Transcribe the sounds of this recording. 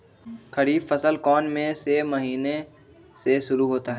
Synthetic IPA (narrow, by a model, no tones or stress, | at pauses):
kʰɐɾiːbfəsəlkɔːnmẽsemɐɦiːne | seʃʊɾuɦoːt̪aɦɛː